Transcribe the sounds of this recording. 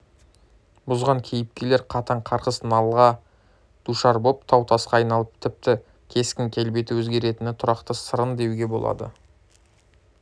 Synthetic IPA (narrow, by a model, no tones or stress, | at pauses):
bʊzʁɑŋkʲʰejɪp̚kʲe̞le̞ɾqʰɑt̪ɑɴqʰɑɾqəsnɑlˠʁɑ | d̪̥uʃɑɾbopt̪ʰɑwt̪ʰɑsqɑːjnɑlˠəp̚t̪ʰɪp̚t̪ɪ | kʲʰe̞skʲɪŋkʲʰe̞lbe̞t̪ɪwɵzɡʲe̞ɾe̞t̪ɪnɪt̪ʰʊɾɑqt̪əsəɾənd̪e̞wɡʲe̞bo̞lˠɑ̰d̪ə̰